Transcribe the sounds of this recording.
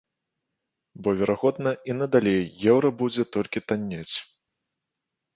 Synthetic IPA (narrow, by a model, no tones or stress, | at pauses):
bɔvʲɛɾʔaɣɔd̪nɐinɐd̪alʲejːɛwɾɐbud͡zʲɛt̪ɔlʲkʲit̪anʲːat͡sʲ